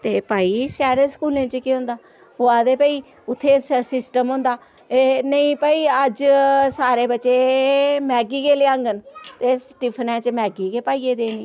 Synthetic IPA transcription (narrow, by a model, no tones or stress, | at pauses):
t̪eːpaːiːsaːɾeːsə̥kuːlẽːt͡ʃkiɦõʊ̃ːnd̪aː | oaːd̪eːpaːiː | ʊt̪ʰːeːsɪsʈəmɦʊ̃ːnd̪aː | nəĩːpaːiːəd͡ʒsaːɾeːbətːʃeːmɛːɡiːkeːleːãːŋɡənt̪esʈɪpʰnɛ̃ːt͡ʃmɛːɡiːkeːpaːiːeːd̪eːniː